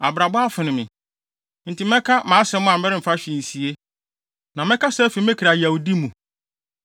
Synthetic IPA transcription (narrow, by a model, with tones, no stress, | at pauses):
a̰˨bɾa˨ba˦a˦fʊ˨nɪ̃˨mɪ̃˨ | n̩˨tʰi˨mɛ̃˦kʰa˦mãː˨˦sɛ˦mʊ̃˦ã˨m̩˦bɛ˦ɾɪ˦m̩˨fa˦ɕᶣi˨e˨si˨e˦ | nã˨mɛ̃˦kʰa˦sɛ˦fi˨mɛ̃˦kʰɾa˨ja˨u˨di˦mũ˨